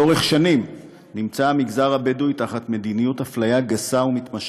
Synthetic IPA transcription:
o̞ʁeχʃanim | nimt͡samiɡzaʁabedujtaχatme̞dinijuthaflajaɡasaumitmaʃ

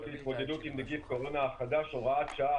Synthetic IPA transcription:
tit̪mod̪ed̪ut̪imd̪eɡifkoʁonaːχad̪aʃoʁaat̪ʃaa

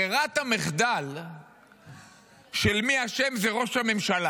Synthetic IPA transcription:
eʁat̪ameχd̪al | ʃe̞lmiaʃe̞mzeʁo̞ʃhame̞mʃala

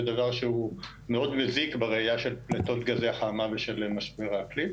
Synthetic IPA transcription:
d̪avaʁʃeu | meo̞d̪mezikbeʁeajaʃe̞lplet̪o̞t̪ɡazeaχaːmaveʃe̞lmaʃbeʁakli

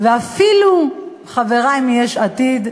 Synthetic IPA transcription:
veafilu | χaveʁajmjeʃat̪id̪

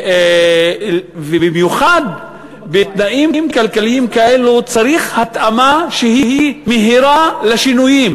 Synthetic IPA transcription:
vebimjuχad̪ | bet̪naʔimmkalkaliimkaʔelut͡saʁiχhat̪ʔamaʃeɦiɦimeɦiɾaleʃinujim

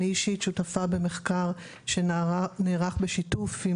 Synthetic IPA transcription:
iʃitʃutafabeme̞χkaʁ | ʃeneʁaχbeʃitufi

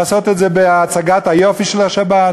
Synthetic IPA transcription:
sot̪et̪zebeaːt͡saɡat̪hajofiʃelaʃabat

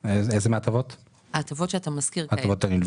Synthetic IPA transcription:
ezezemeat̪avot̪ | at̪avotʃeat̪amaskiʁat̪avot̪at̪anilv

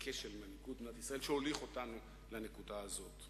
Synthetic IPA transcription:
kʰeʃelmanikutbnat̪isʁaelʃeoliχo̞tanu | lanekudaːzo̞t

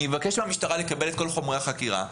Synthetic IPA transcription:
evake̞ʃmamiʃt̪aʁalekabe̞le̞t̪̚ko̞lχo̞mʁeaχakiʁa̰

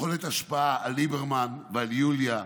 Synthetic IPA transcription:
o̞let̪aʃpaaʔalːibeʁmanvealjulja

